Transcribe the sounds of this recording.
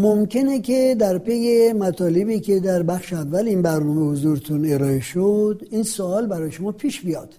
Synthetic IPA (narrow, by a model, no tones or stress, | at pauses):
momcʰe̞necʲʰed̪æɾpʰe̞jemæt̪ʰɒːle̞biːkʰe̞d̪æɾbæxʃeævːæliːnbæɾnɔːmehozuːɾet̪ʰune̞ɾɒːeʃod̪insoɒːlbæɾɒːjeʃomɒːpʰiːʃbijɒːd̪̥